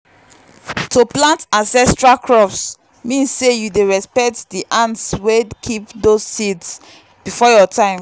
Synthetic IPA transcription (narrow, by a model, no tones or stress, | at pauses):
tʰoplãntãnsɛstɹalkʰɹɔfs | mĩnssejudeɹɛspɛk̚tdiʔãntswekʰipdozsids | b̥ifɔjɔtʰãɪ̃m